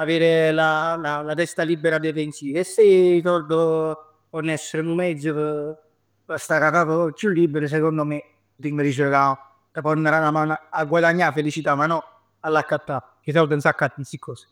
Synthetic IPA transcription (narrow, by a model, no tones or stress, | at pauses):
aveːɾelalalat̪ɛst̪alibːeɾad̪efensiːesːejt̪ɔrd̪o | onːɛsːeɾenumɛd̪zːəpə | pəst̪akat̪aːt̪okːulːibːeɾos̬ekond̪ome | ut̪iŋːəɾid͡ʒokao | t̪əpɔnːəɾalamanaaɡːwad̪aɲːafːelit͡ʃit̪amanːɔ | alːakːat̪ːa | kes̬aud̪ənsakːat̪ːinsikʰːɔːse̥